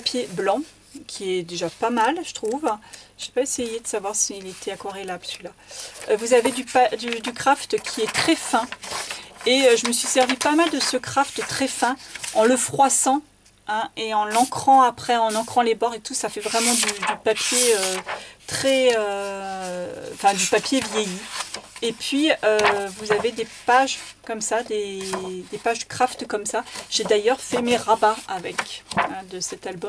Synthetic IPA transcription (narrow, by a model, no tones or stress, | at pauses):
apjeblɑ̃ | kʲʰiɛd̪eʒapamalʒ̥ət̪χuvʒ̥epaesejed̪əsavwaʁsiːlet̪ʰɛakɔʁelapi̥sɥilaøvuzaved̪ypad̪yd̪ykχaft̪kʲʰiɛt̪χɛfɛ̃ | eøʒəməsɥisɛʁvipamald̪əsəkχaft̪t̪χɛfɛ̃ɑ̃ləfχwasɑ̃ | ɛ̃eɑ̃lɑ̃kχɑ̃apχɛɑ̃nɑ̃kχɑ̃lebɔʁet̪usafɛvʁɛmɑ̃d̪yd̪ypapjeøt̪χɛø | ɑ̃fɛ̃d̪ypapjevjejiepɥiøvuzaved̪epaʒkɔmsad̪ed̪epaʒəkχaft̪kɔmsaʒ̥ed̪ajœʁfɛmeʁabaavɛkɛ̃d̪əsɛt̪albɔm